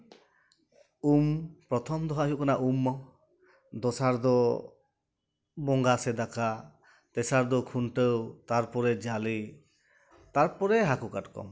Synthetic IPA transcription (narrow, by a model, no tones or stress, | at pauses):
umpɾɔt̪ʰɔmd̪ɔɦaɦiuʔkanaʔumɔ | d̪ɔsaɾd̪ɔ | bɔŋɡasɛd̪aka | t̪ɛsaɾd̪ɔkʰunʈəwt̪aɾpɔɾɛd͡ʒali | t̪aɾpɔɾɛɦakukaʈkɔ̰m